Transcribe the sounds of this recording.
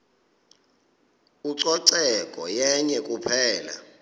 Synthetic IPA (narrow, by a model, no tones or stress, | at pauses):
uǀɔǀɛkʼɔjɛɲɛkʼupʰɛːla̰